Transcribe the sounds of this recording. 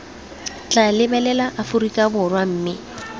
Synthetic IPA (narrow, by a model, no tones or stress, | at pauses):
t͡ɬʼalɪbɛlɛlaʔafʊrikʼabʊrwam̩ːmɪ